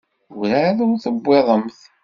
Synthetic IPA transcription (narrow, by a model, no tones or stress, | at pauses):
ɾæðʊɾθəbːeðˤəmθ